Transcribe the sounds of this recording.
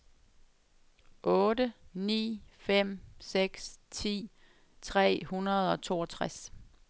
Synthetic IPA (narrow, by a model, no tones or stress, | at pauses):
ʔɔːdənḭːfem̰seɡ̥st͡sʰḭː | t͡sʰʁɛ̰ːhunɐð̞̩ˠɒ̽t͡sʰo̝ːɒt͡sʰʁas